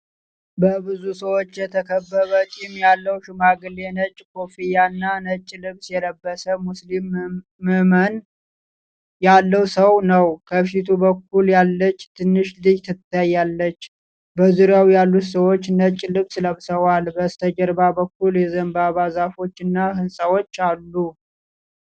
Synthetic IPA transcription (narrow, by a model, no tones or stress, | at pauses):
bəbɨzusəwo̞t͡ʃːjɛt̪ʰəkʰəbːəβət͡ʃʼimjalːəwʃɪmaɡɨlenət͡ʃʼːkʰo̞fijanːanət͡ʃʼːlɨβsjɛləbːəsəmuslimː | ɨhmən | jalːəwsəwnəwkʰəfit̪ʰubək̚ːuljalːət͡ʃːt̪ʰɨnːɨʃd̪ɨjt̪ʰɨt̪ʰːajːalːət͡ʃː | bəzuɾjawjalːut̪səwo̞t͡ʃːnət͡ʃʼːlɨβsləβsəwalbəst̪ʰəd͡ʒəɾbabəkːuljɛzəmbaβazafo̞t͡ʃːɨnːaɦɨnsʼəwo̞t͡ʃːalːu